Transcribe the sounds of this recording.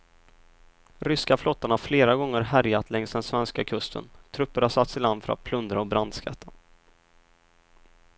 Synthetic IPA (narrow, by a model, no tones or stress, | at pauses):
ɾʏskaflɔt̪ːəɳhaɾfleːɾaɡɔŋːəɾɦæɾjat̪lɛŋsd̪ɛnsvɛnskakʰɵst̪ʰə̰nt̪ʰɾɵpːəɾhasat̪sɪland̪fœɾa̰t̪̚pʰlɵnd̪ɾaɔbɾand̪skʰa̰t̪ʰːa